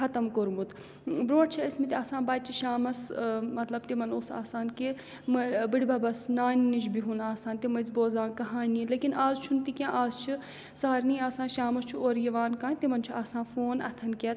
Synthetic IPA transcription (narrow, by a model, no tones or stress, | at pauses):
ɐt̪ɐmkoɾmut̪ | bɾõːʈt͡ʃʰiɐsmit̪iaːsãːnbaːt̪̚t͡ʃʰiʃaːmɐsmɐt̪lɐb̚t̪imɐnoːsa̰ːsaːnki | mɨbɨɽʲibɐbɐsnaːnnit͡ʃʰbiɦunaːsaːnt̪imɐzboːzaːnkɐɦaːnʲileːkinaːzt͡ʃʰunt̪ikʲãːʔaːzt͡ʃʰi | saːɾniːaːsãːnʃaːmɐst͡ʃʰuoːɾjɐʋaːnkãːnt̪imɐnt͡ʃʰuaːsãːfoːnɐ̰t̪ʰɐnkʲet̪